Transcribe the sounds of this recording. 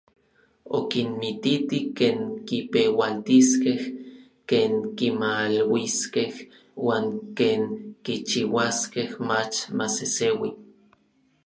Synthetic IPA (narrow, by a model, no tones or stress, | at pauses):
o̰kinmit̪it̪ikeːŋkipewalt̪iskeh | keːŋkimalwiskeh | waːŋkeːŋkit͡ʃiwaskehmat͡ʃmasesewi